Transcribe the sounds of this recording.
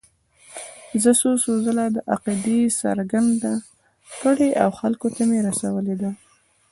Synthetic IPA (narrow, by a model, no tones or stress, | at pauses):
zəsosozəlad̪əʔaqid̪esa̰ɾɡand̪a | kəɽeʔawxalkot̪ameɾasawəled̪a